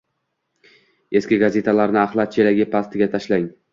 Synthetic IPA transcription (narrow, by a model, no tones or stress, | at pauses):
e̞skʲɪɡaze̞t̪ʰalaɾnɪaχlˠat̪̚t͡ʃʰe̞laɡʲɪpʰast̪ʰɪɡʲat̪ʰaʃlaŋ